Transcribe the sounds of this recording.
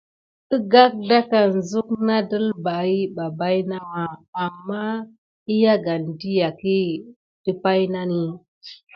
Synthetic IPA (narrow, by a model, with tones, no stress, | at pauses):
ə˦ɡa˦k̚da˦ka˨n˨zu˦kna˦də˦lba˨i˦ba˨ba˦jna˦waː˨mːa˦ | i˦ja˦ɡa˨n˨di˦ja˨ki˦ | di˦pa˦jna˦ni˦